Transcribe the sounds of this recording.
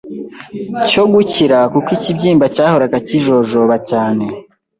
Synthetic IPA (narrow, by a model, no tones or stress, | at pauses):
coɡuciɾakukwicibɟiːmbacaːhoɾakaciʒo̞ʒoβacaːne̞